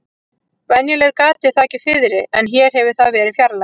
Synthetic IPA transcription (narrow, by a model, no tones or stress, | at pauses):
vɛnjɛlɛɾkaːt̪ɪθaːcɪfɪðɾɪɛnçɛːɾ̥ɦɛvɪ̥θaðvɛːɾɪfjaɾla